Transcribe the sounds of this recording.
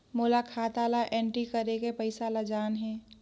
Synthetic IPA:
moːlakʰaːt̪aːlaʔɛ̃ːɳʈɾikəɾekepəɪsaːlad͡ʒaːnɦɛ̃ː

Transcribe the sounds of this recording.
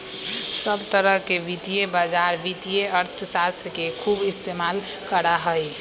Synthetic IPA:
səbt̪əɾəɦkeʋit̪ijebad͡ʒaɾʋit̪ijeəɾt̪ʰsast̪ɾəkekʰubist̪emalkəɾaɦəj

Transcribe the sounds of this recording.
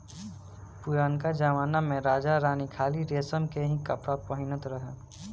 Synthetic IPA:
pʊɾaːnkad͡ʒaʋaːnamẽɾaːd͡ʒaɾaːnikʰaːliɾeːsəmkeɦĩkɐpʰɾapəɦɪnət̪ɾəɦe

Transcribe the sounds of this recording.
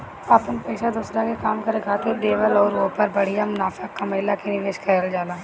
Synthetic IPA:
apənpɛːsad̪uːsɾakekaːmkɐɾekʰaːt̪eɖeːʋəlɔːɾoːpəɾbəɽ̤ijamʊnaːfakɐməɪlakeniʋeːʃkʰəeld͡ʒaːlaː

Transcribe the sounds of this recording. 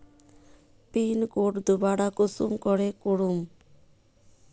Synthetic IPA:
pinkoʈd̪ubaɽakusṵmkɔɽekuɽum

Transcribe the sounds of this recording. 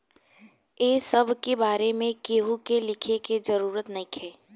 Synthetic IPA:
jeːsɐbʱkebaːɾemẽkeːɦukelɪkʰeked͡ʒɐɾuːɾət̪nɐĩkʰeː

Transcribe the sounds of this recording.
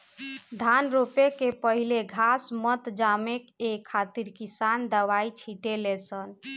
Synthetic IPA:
d̪ʱanɾopekepəɦileɡʱasmət̪d͡ʒamekekʰːat̪iɾkisand̪əʋajt͡ʃʰiʈelesən

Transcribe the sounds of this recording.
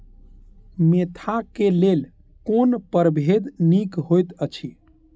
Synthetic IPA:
met̪ʰakelel | konpəɾbʱed̪nikɦojt̪ət͡ʃʰi

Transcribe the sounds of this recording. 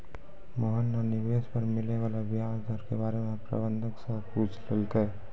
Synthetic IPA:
mɔɦənːanɪʋeːspəɾmɪleʋaːlabɪɦaːd͡ʒd̪ʱəɾkebaːɾemepɾa̰bə̃nd̪ʱəksəpuːt͡ʃʰlelk̪ə

